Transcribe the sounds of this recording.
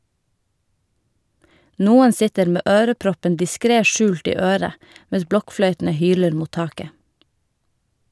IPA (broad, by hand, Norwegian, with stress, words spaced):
ˈnuːən ˈsɪtəɾ ˈmeː ˈøːɾəˌpɾɔpən dɪˈskɾeː ˈʃʉːlt ˈiː ˈøːɾə ˈmɛs ˈblɔkˌflœʏtn̩ə ˈhyːləɾ ˈmuːt ˈtɑːkə